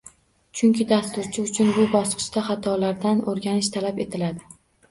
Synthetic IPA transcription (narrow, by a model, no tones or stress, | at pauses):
t͡ʃʰʊŋkʲɪd̪ast̪ʊɾt͡ʃʰɪʊt͡ʃʰʊnbʊbɒsqʰɨ̥ʃt̪aχat̪ʰɒlaɾd̪anoɾɡʲanɪʃt̪ʰalape̞t̪ʰɪlad̪ɪ